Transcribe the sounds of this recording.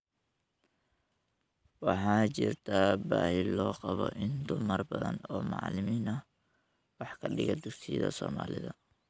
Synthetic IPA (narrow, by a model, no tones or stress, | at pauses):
wɑħɑːt͡ʃɪrt̪ʰabaːhɪlɔːqɑβɔʔɪnd̪ʊmɐrbɐðɐnɔːmɑ̰ʕlɪmiːnɐ | wɑħkʰɐɖɪɣɐd̪ʊɡsijðɐ̰sɔːmaːlɪðɐ